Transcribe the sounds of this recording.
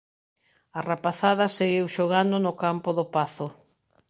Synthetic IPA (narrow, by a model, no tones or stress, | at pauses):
ɐrapaθaðɐseɣiwʃoɣand̪ʊnʊkampʊðʊpaθʊ